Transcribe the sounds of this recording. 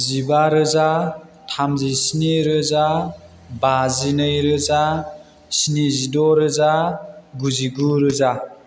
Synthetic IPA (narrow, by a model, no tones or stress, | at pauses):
zibaɾɯza | tʰamzisiniɾɯza | bazinɯjɾɯza | sinizidɔɾɯzaɡuziɡuɾɯza